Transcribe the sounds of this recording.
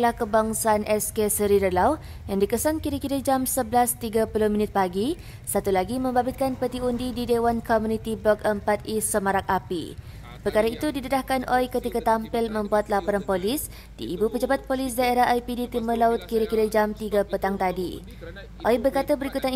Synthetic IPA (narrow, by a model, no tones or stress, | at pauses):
lahkəbaŋsaːnʔɛskesəɾidəlau | jaŋdikəsankiɾakiɾad͡ʒamsəbəlast̪iɡapuluhmĩnɪt̪̚paɡi | sat̪ulaɡimə̃mbabɪt̪̚kanpət̪iundididewankɔmunit̪iblɔkəmpat̪̚isəmãɾak̚api | pərkaɾait̪udidəɾahkanʔɔjkət̪ikat̪ampɪlmə̃mbuat̪̚lapɔɾanpolɪs | d̥ḭʔːbupəd͡ʒabat̪̚polɪs̬daeɾaɦʔajpidit̪imərlaʊt̪̚kiɾakiɾad͡ʒamt̪iɡapət̪aŋt̪adḭ | ʔɔjbərkat̪abəɾikut̪an